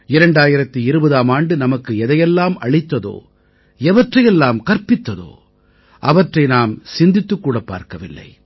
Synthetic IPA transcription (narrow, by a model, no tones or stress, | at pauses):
ɪɾɐɳɖaːjɪɾɐt̪ːiɪɾɯbɐðaːmaːɳɖɯnɐmɐkːɯɛðɐjɛlːaːmɐɭɪt̪ːɐðo̰ː | ɛʋɐʈrɐjɛlːaːmkɐɾpɪt̪ːɐðo̰ː | ʔɐʋɐʈrɐɪnaːmsɪnd̪ɪt̪ːɯkːuːɽɐpːa̰ːɾkɐʋɪlːɐ̰ɪ